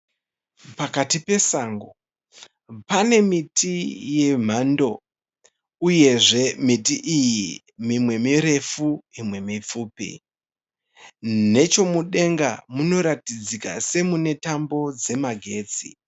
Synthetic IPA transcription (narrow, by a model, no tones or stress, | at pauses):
pakatipe̞saːŋɡo | pane̞mitʰije̞m̤ando̞ | uje̞ʐe̞mitiʔiji | mimwe̞miɾe̞fuimwe̞mip͡fuːpḭ | ne̞t͡ʃo̞muɗe̞ŋɡa̰muno̞ɾatid͡zika̰se̞mune̞tambo̞d͡ze̞maɡʱe̞ːt͡sḭ